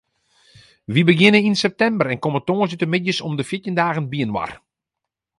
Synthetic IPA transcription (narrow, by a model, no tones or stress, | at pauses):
ʋibəɡɪnəninsɛp̚tɛmbəɾɛnkomətoːəsətəmɪdjəsɔmdəfjɪtjəndaːɣənbiənwa̰r